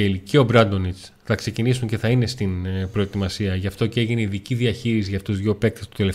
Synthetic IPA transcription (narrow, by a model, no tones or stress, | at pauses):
eliceo̞bɾɐnd̪o̞nit͡s | θɐkse̞cinisuɲce̞θɐine̞st̪inpɾo̞e̞t̪imɐsiɐʝɐft̪o̞ceeʝineiðiciðiɐçiɾis̬iʝɐfuzðʝo̞pe̞k̚t̪est̪ut̪elef